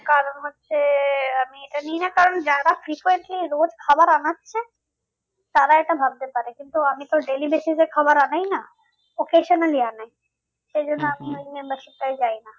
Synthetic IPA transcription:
kaɾənɦot̪̚seɐmieʈaniinakɐɾəɳd͡ʒaːd̪afɾiːkʋeɳʈliɾoːd͡ʒkʰɐbəɾaːnatt͡ʃʰɛ | t̪aːɾaeʈabʱaɡ̚d̪epaɾekɪ̃nt̪uɐmĩt̪oɖeːlibesisekʰɐbəɾaːnaina | okeːʃənəliaːnaːĩ | sed͡ʒonamũmẽmbəɾʃip̚t̪ɐid͡ʒaːina

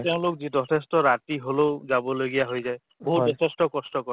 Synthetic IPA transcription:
teʊ̃lok̚zidɔtʰestɔɹatiɦoloʊzabɔloɡijaɦojzaj | boɦuzɔtʰestɔkɔstɔkɔ

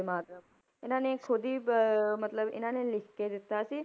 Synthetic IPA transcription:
emaːt̪ɾə | ɪnãːnẽkʰod̪ʱimɐt̪ləbɪ̰nãːnẽlɪkked̪ɪt̪asi

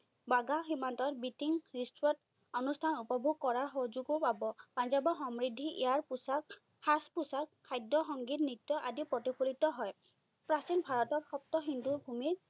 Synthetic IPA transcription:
baɡaximantɔtbitiŋɹistuɹɔt | ɔnustʰanupɔbʱuɡ̚kɔɹaɹxɔɦozuɡopabɔpanzabɔxɔmɹidʱːiʔḛaɹpusk | haspusak̚kʰajdɔxɔŋɡitnitːɔʔadipɹɔtipʰulitɔɦɔj | pɹasinbʱaɹɔtɔɹxɔp̚tɔxinduɹbʱumiɹ

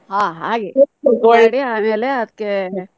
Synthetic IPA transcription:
ɦãːɦaːɡekoːɳeɽiaːmeːleɐd̪əkːe

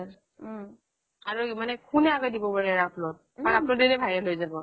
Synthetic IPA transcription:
aɹumanɛkʰunɛaɡɔdibɔbaɹɛɹapʰlɔt̚ | aɹapnɔdedɛbʱajɛlojzabɔ

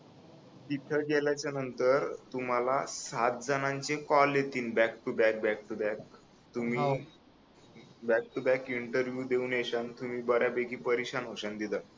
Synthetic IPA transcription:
d̪iʈ̪ʰəɡeljat͡ɕjanənt̪əɾt̪um̤alasat̪̚d͡zanãɲt͡ɕekɔlet̪iːnbækʈubæk̚bæk̚ʈubæk̚ | t̪um̤iː | bæk̚ʈubækiɳʈəɾʋjud̪euːneɕant̪um̤iːbəɾjabeɡiːpəɾiɕanoɕənd̪id̪a

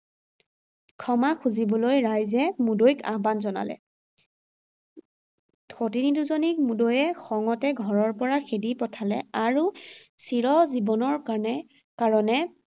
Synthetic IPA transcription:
kʰɔmakʰuzibɔlojɹajzɛmudojka̰ɦbanzɔna̰lɛ̰ | otiniduzonik̚mudojɛxɔŋɔtɛɡʱɔɹɔɹpɔɹaxedipɔtʰalɛ̰aɹusiɹɔzibɔnɔɹ | kaɹɔnɛ

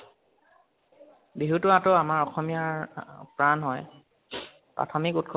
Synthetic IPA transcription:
biɦutʊatɔamaɹɔxɔmijaɹpɹanɦɔj | pɹa̰tʰɔmikut̚kʰɔ

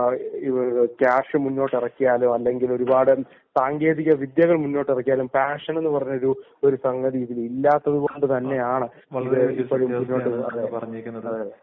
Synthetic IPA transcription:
ikaːʂɨmunːo̞ːʈːirɐkːijaːlumɐlːe̞ŋɡilo̞ɾubaːɽɨ | saːŋɡe̞ːðiɣʲɐʋid̪jɐɣɐɭmunːo̞ːʈːirɐkːijaːlumpaːʂɐne̞nːɨpɐrɐɲːo̞ɾu | o̞ɾusɐŋɡɐðit̪ːililːaːt̪ːɐðuɣoɳɖɨt̪ɐnːe̞jaːɳɨ | iːðepːɐɻummunːo̞ːʈːɨɐ̰ðeɐɐɐðe

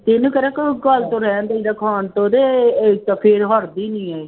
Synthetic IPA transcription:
t̪enũːkəɾəkɡəlt̪õːɾɛːnd̪aːid̪aːkʰaːnt̪õːd̪eːt̪apʰɪɾɦɔɾd̪iːnĩːaːeː

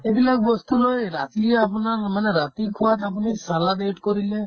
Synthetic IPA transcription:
ebilak̚bɔst̪ulojɾa̰t̪iapɔnaɾmaneɾat̪ikʰat̪ap̬ɔnisalad̪eʈkɔɾile

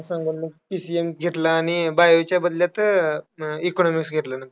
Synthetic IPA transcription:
sãŋɡunməpisiemɡʱeʈlaːɽ̃ibajoʋt͡ɕjabəd̪ljat̪ə | ikonɔmiksɡʱeʈ̪lənənt̪ɾ

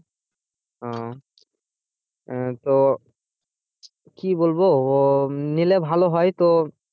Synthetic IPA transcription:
ɔ̃ | t̪o | kibolbo | nilebʱaloɦɔjt̪o

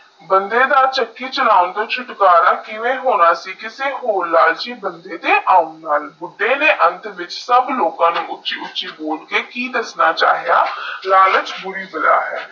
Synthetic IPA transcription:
bənd̪eːd̪aːt͡ʃəkːiːt͡ʃʊlaːʊnd̪oːt͡ʃʰʊʈkaːɾaːkɪʋeːɦoːnaːsiːkɪseːɦoːɾlaːld͡ʒiːbənd̪eːd̪eːʔaːunnaːlbʊɖːeːneːʔənt̪ʋɪt͡ʃsəbloːkãːnũːʊtːt͡ʃʃiːʊtːt͡ʃʃiːboːɽkeːkiːd̪əsnaːt͡ʃa̰ːɦijaːlaːlət͡ʃbʊɾiːbəla̰ːɦɛ̰ː

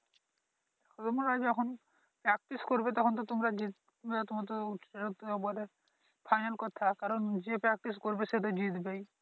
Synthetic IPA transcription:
kʰɔt̪umɾaɡɛkʰɔn | pɾɛk̚ʈiskoɾbet̪ɔkʰɔnt̪̬ɔt̪umɾad͡ʒit̪̚ | beat̪umat̪̬ɔuʈʰeɾet̪ɔbuaɾe | pʰajnalkɔt̪ʰakaɾɔnd͡ʒepɾɛk̚ʈiskoɾbeset̪ɔd͡ʒit̪bej

